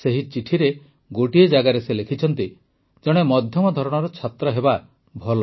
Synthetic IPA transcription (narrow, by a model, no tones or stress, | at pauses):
seɦit͡ʃiʈʰiɾe | ɡoʈied͡ʒaɡaɾeselekʰit͡ʃʰɔnt̪i | d͡ʒɔɽ̃emɔd̪ʱjɔmɔd̪ʱɔɾɔɽ̃ɔɾɔt͡ʃʰat̪ɾɔɦeba | bʱɔl